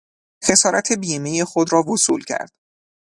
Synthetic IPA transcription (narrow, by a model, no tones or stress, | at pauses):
xe̞sɒːɾæt̪ʰe̞biːmeje̞xod̪ɾɒːvosuːlcʰæ̰ɾd̪̥